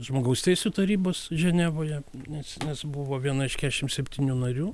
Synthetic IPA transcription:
ʒmoːɡɐʊst̪ʲɛɪsʲuːt̪ɐɾʲiːboːsʒʲɛnʲæːʋoːjɛnʲɛsnʲɛsbʊʋoːʋʲiɛnɐɪʃʲkʲædʲɛʃʲɪmsʲɛpʲt̪ʲiːnʲuːnɐɾʲuː

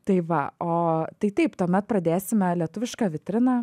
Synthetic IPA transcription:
t̪ɐɪʋɐ̰oːt̪ɐɪt̪ɐɪpt̪uːmʲɛt̪̚pɾɐd̪ʲeːsʲɪmʲɛlʲiɛt̪ʊʋʲɪʃkɑːʋʲɪt̪ʲɾʲɪnɑː

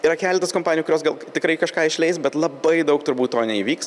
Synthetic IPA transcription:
ɪɾɐkʲæːlʲɛt̪ɐskoːmpɑːnʲɪjukʊɾʲoːsɡɐlˠt̪ʲɪkɾɐɪkɐʃkɑːɪʃʲlʲɛɪsbʲɛt̪lˠɐbɐɪd̪ɐʊkt̪ʊɾbuːt̪toːnʲɛiːʋʲiːks

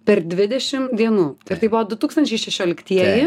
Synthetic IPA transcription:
pʲɛɾd̪ʲʋʲɪd̪ʲɛʃʲɪmd̪ʲiɛnuːɪɾt̪ɐɪbʊʋoːd̪ʊt̪uːkst̪ɐnʲt͡ʃʲɛɪʃʲɛʃʲoːlʲɪkt̪ʲiɛjɪ

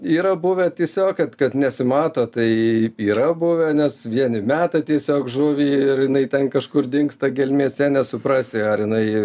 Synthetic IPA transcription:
iːɾɐbʊʋʲɛt̪ʲiɛsʲoːkkɐt̪kɐt̪nʲɛsʲɪmɑːt̪oːt̪ɐɪiːɾɐbʊʋʲɛnʲɛsʋʲiɛnʲɪmʲæːt̪ɐt̪ʲiɛsʲoːkʒʊʋʲiːɪrjɪnɐɪt̪ʲɛnkɐʃkʊrd̪ʲɪŋkst̪ɐɡʲɛlʲmʲiɛsʲɛnʲɛsʊpɾɑːsʲɪɐɾjɪnɐɪ

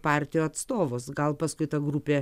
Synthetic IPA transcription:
pɑːɾʲt̪ʲɪjoːɐt̪st̪oːʋoːsɡɐlˠpɐskʊɪt̪ɐɡɾuːpʲeː

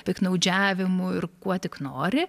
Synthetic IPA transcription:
pʲɪknɐʊd͡ʒʲæːʋʲɪmʊɪrkuɔt̪ʲɪknoːɾʲɪ

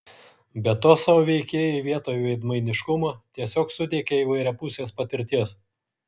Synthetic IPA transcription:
bʲɛt̪oːsɑʋoːʋʲɛɪkʲeːjoɪʋʲiɛt̪oːjuʋʲɛɪd̪mɐɪnʲɪʃkʊmoːt̪ʲiɛsʲoːksʊd̪ʲeːkʲɛiːʋɐɪɾʲɛpʊsʲeːspɐt̪ʲɪɾʲt̪ʲiɛs

